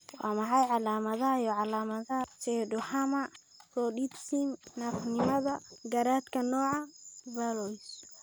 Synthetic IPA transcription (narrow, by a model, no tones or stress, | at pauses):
wɑ̰ːmɑħɑjʕɑlaːmɐðɐhɐjɔʕɑlaːmɐðɐt͡ʃɛɖʊħɐmɐ | sɔɗit̪simnɐfnɪmɐðɐɡɐɾaːd̪kʰɐnɔːʕɑbɐlɔjs